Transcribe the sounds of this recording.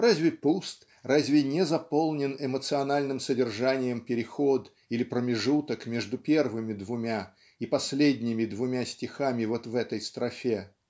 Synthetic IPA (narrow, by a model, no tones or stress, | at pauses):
ɾazʲvʲɪpust̪ | razʲvʲɪnʲɛzɐpo̞lˠnʲɪnɪmət̪sɨɐnalʲnɨmsədʲɪrʐanʲɪjəmpʲɪɾʲɪxo̞d̪ | ilʲɪpɾəmʲɪʐut̪əkmʲe̞ʐd̪ʊpʲervɨmʲɪd̪vʊmʲa | ipɐsʲlʲedʲnʲɪmʲɪd̪vʊmʲasʲtʲɪxamʲɪvo̞t̪vɛt̪əjst̪ɾɐfʲe